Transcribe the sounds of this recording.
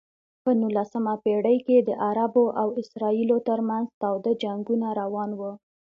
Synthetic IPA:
pənulasəmapeɽəjked̪əʔaɾaboʔawɪsɾɑilot̪əɾmanzt̪ɑwd̪ad͡ʒaŋɡunaɾawɑnwə

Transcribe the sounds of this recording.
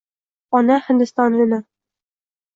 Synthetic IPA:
ɒnæhɘ̆nd̪ɘ̆st̪ɑnɤ̆nɤ

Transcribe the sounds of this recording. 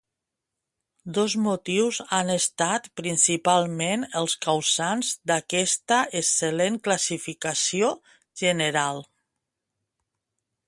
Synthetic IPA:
d̪ɔzmut̪iwzanəst̪at̪pɾinsipalˠmenəlˠskawsanzd̪akɛst̪əʔəsəleŋklasifikasio | ʒənəɾalˠ

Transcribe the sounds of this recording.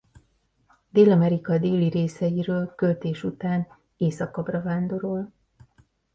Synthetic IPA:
d̪eːlɒmɛɾikɒd̪eːliɾeːsɛjiɾøːlkø̞lt̪eːʃut̪aːn | eːsɒkɒbrɒvaːnd̪o̞ɾol

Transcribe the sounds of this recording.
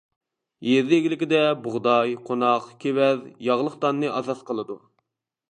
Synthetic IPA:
jeɾd̪ɪeɡʲilɪkʲɪd̪ɛbʊʁd̪ɑjqʰonɑqkʲʰewɛðjɑʁlˠəqt̪ɑnːɨʔɑzɑt̪qʰəlˠɨd̪u

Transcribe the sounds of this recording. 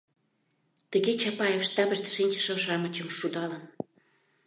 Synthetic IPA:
t̪ə̆ɣet͡ɕɑpɑjefʃt̪ɑbə̆ʃt̪ĕ̥ʃinʲt͡ɕə̥̆ʃə̆ʃɑmə̆t͡ɕə̆mʃud̪ɑlən

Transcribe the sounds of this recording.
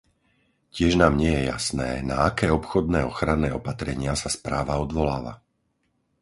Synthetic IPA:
cɪɛʒnaːmɲɪɛjɛja̰snɛ̰ːna̰akɛːɔpxɔd̪nɛːɔxɾanːɛːɔpat̪ɾɛɲɪasaspɾaːʋaɔd̪ʋɔlaːʋa̰

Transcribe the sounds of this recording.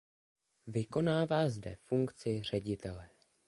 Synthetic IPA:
vɪko̞naːvaːzdɛ̰fuŋkt͡sɪr̝̥ɛɟɪt̪ɛlɛ

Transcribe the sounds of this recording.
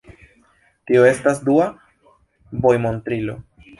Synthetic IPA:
tioe̞stasdua | bo̞jmo̞ntɾilo̞̰

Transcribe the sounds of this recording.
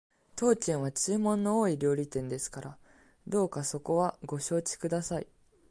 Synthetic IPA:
t̪o̞ːt͡ɕẽɰ̃βat͡ɕɨːmõ̞nːo̞oːiɾʲo̞ːɾʲit̪ẽ̞nd̪e̞sɨ̥kaɾa | d̪o̞ːkaso̞ko̞βaɡo̞ɕo̞ːt͡ɕi̥kɯ̟d̪asai

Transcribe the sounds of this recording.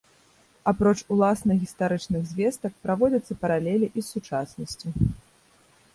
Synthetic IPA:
apɾɔt͡ʂulˠasnɐɣʲist̪aɾɨt͡ʂnɨɣzʲvʲɛst̪ɐk̚pɾavɔd͡zʲɐt̪sːɐpɐɾalʲɛlʲiʔisːut͡ʂasnɐsʲt͡sʲi

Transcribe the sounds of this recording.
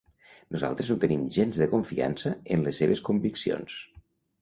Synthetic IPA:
nuza̰lˠt̪ɾəzut̪ənimʒenzðəkuɱfia̰nsəənləsːeβəskumbiksio̰ns

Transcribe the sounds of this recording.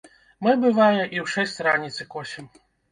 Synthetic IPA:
mɨbɨvajɛʔiwʂɛsʲt͡sʲɾanʲit̪sɨkɔsʲɛm

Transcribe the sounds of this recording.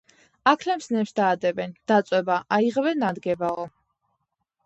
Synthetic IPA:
akʰlɛmsnɛpsd̪aːd̪ɛbɛnd̪̥at̪sʼwɛbaʔaiʁvɛnad̪ɡɛbaɔ

